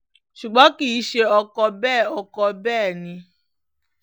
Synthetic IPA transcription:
ʃu˨ɡ͡bɔ̃˨˦ki˦˨˦ʃe˧ɔ˧kɔ˧bɛː˦˨ɔ˧kɔ˧bɛː˦˨nĩ˧

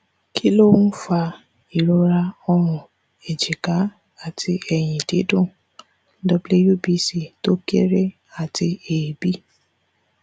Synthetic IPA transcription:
kʰi˦lo˦˨˦fa˧ | i˨ɾo˧ɾa˧ɔ˧ɾ̃ʊ̃˨ | e˨d͡ʒi˨ka˨˦ | a˦˨ti˧ɛ˨j̃ĩ˨de˨˦dõ˦˨˦ | dɔ˧ble˦ju˦˨bi˧˦si˦to˦ke˦ɾe˦ | a˨ti˧eː˨bi˦

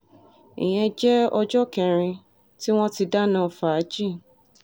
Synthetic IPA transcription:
ḭ̃˨j̃ɛ̃˧d͡ʒɛ˦ɔ˧d͡ʒɔ˦kɛ̃˧ɾ̃ĩ˧ | ti˦w̃ɔ̃˦ti˧da˦nã˦˨fa˨˦d͡ʒi˦˨

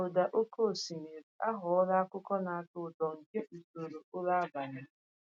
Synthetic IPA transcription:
o˨da˨ʔo˦ko˦˨si˨me˨ɾi˨a˦ɦʊ˨˦ɔ˦la˦a˦kʊ˦kɔ˦na˨a˨tʊ˨tɔ˨ŋ̩˨ke˦ʔu˨to˨ɾo˨ʊ˦la˦ba˨nɪ˦

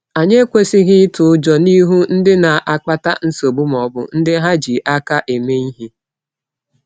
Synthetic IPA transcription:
a˨ɲe˦kʷe˦si˦ɣɪ˦tʊ˨ʊ˦d͡ʒɔ˨ni˦ɦu˦n̩˦dɪ˦na˨ʔa˦k͡pa˦ta˦n̩˦so˨bʊ˦m˨ɔ˨bʊ̰˦n̩˦dɪ˦ɦa˦d͡ʒi˨ʔa˦ka˦ʔe˨me˦i˦ɦi˦

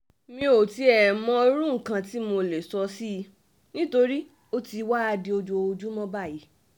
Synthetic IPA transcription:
mĩ˧o˨ti˨˦ɛ˨mɔ̃˧˦o˧ɾũ˦ŋ̩˨kã˧ti˦mo˧le˨sɔ˧si˦˧ | nĩ˦to˧ɾi˦ | o˦ti˧wa˦a˧di˧o˧d͡ʒo˧d͡ʒu˦mɔ̃˦ba˦˨ji˨˦

